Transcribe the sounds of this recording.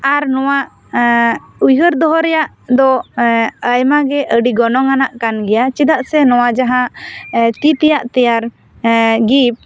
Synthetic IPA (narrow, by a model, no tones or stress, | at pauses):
aɾnɔwaʔ | ujɦəɾd̪ɔɦɔɾɛjaʔ | d̪ɔ | əjmaɡɛʔəɖiɡɔnɔŋanaʔkanɡɛjat͡ʃid̪aʔsɛnɔwad͡ʒaɦãʔt̪it̪ɛjaʔt̪ɛjaɾ | ɡip̚